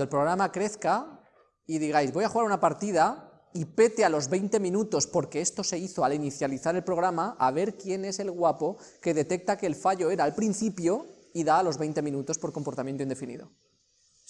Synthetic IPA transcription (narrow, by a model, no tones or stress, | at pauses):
nd̪olpɾo̞ɣ̞ɾamakɾe̞θka | iðiɣ̞ajzβo̞jaxuɣaɾunapaɾt̪ið̞a | ipe̞t̪ealo̞zβe̞jnt̪e̞mĩnut̪o̞spo̞ɾkeest̪o̞se̞iθoaliniθjaliθaɾe̞lpɾo̞ɣ̞ɾamaʔaβ̞e̞ɾkje̞ne̞se̞lɣwapo̞ke̞ð̞e̞t̪e̞k̚t̪akeːlfaʎo̞e̞ɾaːlpɾinθipjo̞ | iðaːlo̞zβe̞jnt̪e̞mĩnut̪o̞spo̞ɾko̞mpo̞ɾt̪amjẽnt̪onefinḭðo̞̰